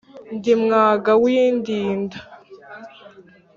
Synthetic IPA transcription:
ndimŋaːɡawiːndiːndḁ

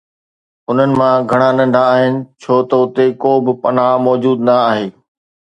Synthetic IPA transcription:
ʊn̤ənɪ̆mãɡʱɐɽ̃anɐ̃ɳɖʱaːɦɪnɪ̆t͡ɕʰoːt̪ɐʊt̪ekoːbɪpɐnaːmɔːd͡ʑuːd̪nɐaːɦeː

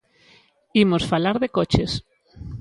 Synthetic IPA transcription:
imosfalaɾðekot͡ʃes

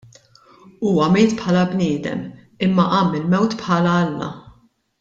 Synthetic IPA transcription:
uːwɐmeːt̪pħɐːlɐbnɪːd̪ɛ̰m | ɪmːɐʔɐːmːɪlmɛwt̪pħɐːlɐɐlːɐ̰

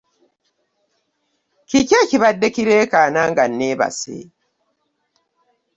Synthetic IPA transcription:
cicaciβadːekiɾeːkaːnaːŋɡanːeːβa̰sḛ

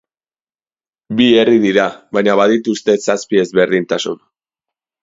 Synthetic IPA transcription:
bie̞riðiɾaβajɲaβaðit̪ust̪e̞saspie̞zβe̞ɾðint̪asun

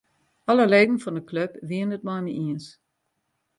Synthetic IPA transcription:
ʔɔləleːdn̩fɔndəkløpʋiənət̚mɔjmiʔiəns

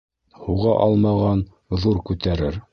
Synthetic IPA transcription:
huʁɑʔɑlˠmɑʁɑn | ðuɾkʉt̪æɾɘɾ

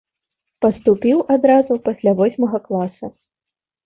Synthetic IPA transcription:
pɐst̪upʲiwʔad̪ɾazupɐsʲlʲavɔsʲmɐɣɐklˠasɐ

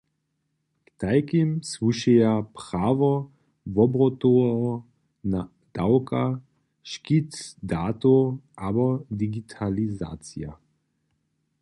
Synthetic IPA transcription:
kt̪ajkimsvuʃijapʁaːʋɔ | vɔbɾɔt̪oɔ | na | d̪̥awka | ʃkit̪d̪aːt̪oabɔd̪iɡit̪ʰaliza̰ːt͡sija

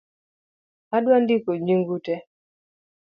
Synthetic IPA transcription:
adwandikoɲiŋɡutɛ

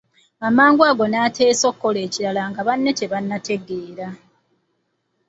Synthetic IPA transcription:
amaːŋɡwaːɡo̞naːtʰe̞ːso̞ːkːo̞le̞ːciɾalaŋɡaβanːete̞βanːate̞ɡeːɾa

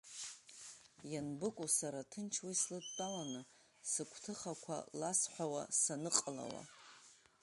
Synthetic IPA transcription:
janbɨkʷʼusaɾatʰɨnt͡ʃʰwislɨdtʼawanɨ | sɨkʷʰtʰɨχakʷʰa̰lasħʷawasanɨqʼala̰wa̰

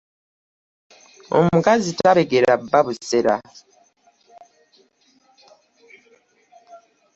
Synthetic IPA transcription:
o̞̰mukazitaβe̞ɡe̞ɾabːaβuseɾa̰

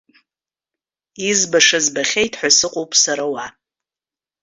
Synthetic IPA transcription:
izbaʂazbaχʲejtʰħʷᶣasɨqʷʼowpʼsaɾawa

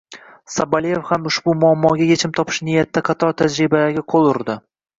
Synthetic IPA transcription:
sabalijefhamʊʃbʊmʊamːɒɡʲajet͡ʃʰɪmt̪ʰɒpʰɪ̥ʃnɪjat̪ːaqʰɑt̪ʰɒɾt̪ʰad͡ʒɾɪbaaɡʲaqʰolˠʊɾd̪ɪ

